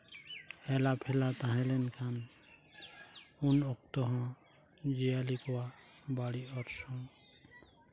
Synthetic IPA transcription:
ɛlapʰɛlat̪ãɦɛ̃lɛnkʰan | unɔk̚t̪ɔɦɔ̃ | d͡ʒijalikɔwa | baɽiɔɾsɔŋ

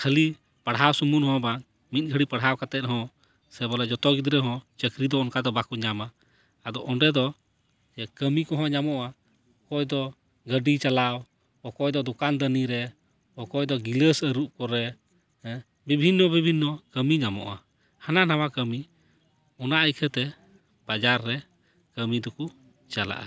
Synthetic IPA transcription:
kʰəli | paɽɦawsumunhɔ̃ban | mit̪̚ˀɡʰʱəɽipaɽɦawkat̪ɛt̪̚ɦɔ̃ | sɛbɔlɛd͡ʒɔt̪ɔɡid̪ɾɛɦɔ̃t͡ʃəkɾid̪ɔɔnkad̪ɔbakuɲamaː | d̪ɔʔɔnɖɛd̪ɔ | d͡ʒɛkəmikɔɦɔ̃ɲamɔʔa | ɔkɔjd̪ɔ | ɡəɖit͡ʃalaw | ɔkɔjd̪ɔd̪ɔkand̪əniɾɛ | ɔkɔjd̪ɔɡiləsəɾup̚kɔɾɛ | bibʱinːɔbibʱinːɔkəmiɲamɔ̰ʔa̰ | hananawakəmi | ɔnaʔəjkʰət̪ɛ | b̥ad͡ʒaɾːɛ | kəmid̪ɔku | t͡ʃala̰ʔa̰

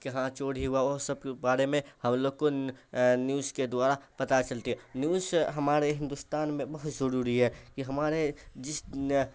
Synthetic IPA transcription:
kɐɦãt͡ʃoːɽ̤iɦʊaɔːsəb̚kebaːɾemẽhɐmloːɡ̚ko | njuːzked̪waːɾapɐt̪at͡ʃəlt̪iɦɛnjuːzɦɐmaːɾeɦɪ̃nd̪ust̪aːnmẽbɐɦʊt̪zəɾuːɾiɦɛːkiɦɐmaːɾed͡ʒɪs

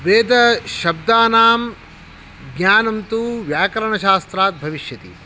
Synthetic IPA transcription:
ʋeːd̪ɐʃɐbd̪aːnaːm | ɡɲaːnɐmt̪uʋjaːkɐɾɐɳɐʃaːst̪ɾaːt̪̚bʱɐʋiʃjɐt̪ḭ

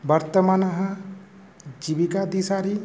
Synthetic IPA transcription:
bɐɾt̪əmanɐɦɐ̃ | d͡ʒibikad̪isaɾi

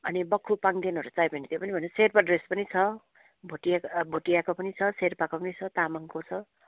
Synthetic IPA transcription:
ʌnibʌkʰːupaŋd̪enuɦʌɾut͡sajbʌnet̪jopʌnibʱʌneserpaɖrespʌnit͡sʰʌ | bʱoʈiabʱoʈijakopʌnit͡sʰʌserpakopʌnit͡sʰʌt̪amaŋkot͡sʰʌ

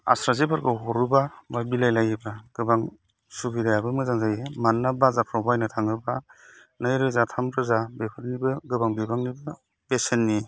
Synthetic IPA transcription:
a̰sɾazepʰaɾkʰɯɦɔɾubamabilajlajɯbaɡ̥ɯbaŋ | subidajabɯmɯzaŋzajmanːabazapʰɾɔbajnɯtʰaŋɯba | najɾɯzatʰampɾɯzabepʰɯɾnibɯɡɯbaŋbibaŋnibɯ | besenːi

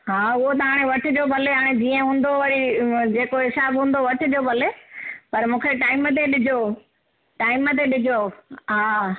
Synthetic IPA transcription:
ɦaːʊɦot̪̬ɐɦaːɽ̃eʋɐʈʰʊ̆d͡ʑobʱɐleɦaːɽ̃ed͡ʑiːə̃ɦũːn̆d̪oʋɐɾid͡ʑeːkoɦɪsaːbɦũːnd̪oʋɐʈʰɪ̆d͡ʑoːbʱɐlepɐɾmũːkʰeʈaːɪmət̪̬eɗɪd͡ʑʱo | ʈaːɪmət̪̬eɗɪd͡ʑʱoɦaː

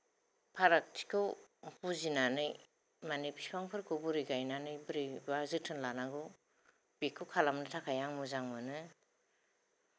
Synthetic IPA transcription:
pʰaɾak̚tʰi̥kʰɯwpuzinanɯj | manipʰiskʰaŋpʰɯɾkʰobuɾiɡajnanɯjbɯɾibazɯtʰɯnlanaɡu | b̥ikʰːɯwkʰalamnɯtʰakʰajaŋmuzaŋmɯnɯ

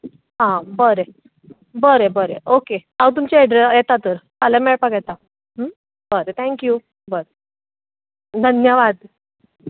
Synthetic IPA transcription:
ɦãbəɾe | bəɾebəɾeʔokeawt̪̬umt͡ɕeeɖɾejet̪at̪əɾtalɛmeɭpakjɛt̪a | bəɾet̪ʰɛ̃ŋkju | bəɾe | d̪ʱənjəʋad̪

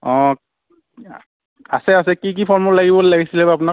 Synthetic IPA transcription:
ɔ̃ | a̰sɛasɛkik̬ipʰɔɹmɔlaɡibɔlaɡisilɛbap̬una

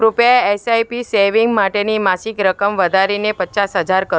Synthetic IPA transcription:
ɾupjaeesajpiseʋiŋɡmaʈenimasikɾəkəmʋəd̪ʱaɾinepətːt͡ʃasɦəd͡ʒaɾkə

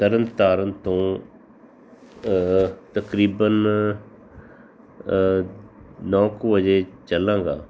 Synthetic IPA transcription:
t̪əɾənt̪aːɾənt̪õː | t̪əkɾiːbən | nɔ̃ːkoːʋəd͡ʒeːt͡ʃəlãːɡaː

